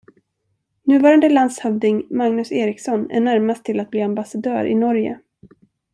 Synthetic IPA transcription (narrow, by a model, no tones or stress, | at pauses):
nʉ̟ːvɑːɾand̪əland̪shœvd̪ɪŋmaŋnɵseːɾɪksɔnæ̰ɳæɾmast̪ʰːɪlat̪̚bliːambasad̪œ̰ːɾʔɪ̰nɔɾjə̰